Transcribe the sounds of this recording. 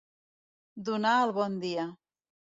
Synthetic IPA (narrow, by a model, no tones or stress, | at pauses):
d̪unaəlˠβɔnd̪ia